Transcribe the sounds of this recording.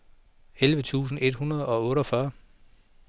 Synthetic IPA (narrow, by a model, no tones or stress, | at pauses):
elʋət͡sʰṵːs̬n̩e̝d̥hunɐð̞̩ˠɒ̽ɔ̽ːɾɒfɶɐ